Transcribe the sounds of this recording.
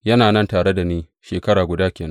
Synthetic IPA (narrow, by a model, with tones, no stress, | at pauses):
jɐ˦naː˨nɐ˦ntaː˨ɽe˦da˨niː˦ | ʃeː˨kɐ˦ɽaː˨ɡʷʊ˨daː˦kʲeː˨nɐ˦